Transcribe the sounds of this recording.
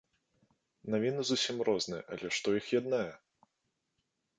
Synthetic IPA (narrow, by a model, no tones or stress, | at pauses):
navʲinɨzusʲimrɔznɨjɛ̰ʔalʲɛʂt̪ɔixjad̪najɛ